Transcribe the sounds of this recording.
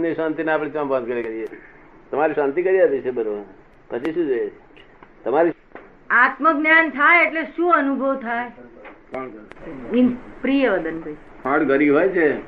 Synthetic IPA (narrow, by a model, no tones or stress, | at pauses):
niʃant̪ineapɽĩt͡ʃãmbãnd̪̚kəɾekəɾije | t̪əmaɾiʃãnt̪ikəɾiabit͡ʃʰebəɾoʋən | pət͡ʃʰiʃũd͡ʒojet͡ʃʰe | t̪əmaɾi | at̪məɡɡnjant̪ʰajeʈleʃũənubʱəʋt̪ʰae | inpɾijəʋəd̪ənbəj | pʰãʈɡəɾibɦojt͡ʃʰe